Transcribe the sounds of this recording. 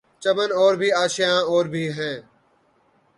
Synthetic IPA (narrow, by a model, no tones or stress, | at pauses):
t͡ʃəmənoːɾbʱiːaːʃɪjãːoːɾbʱiːɦɛ̃ː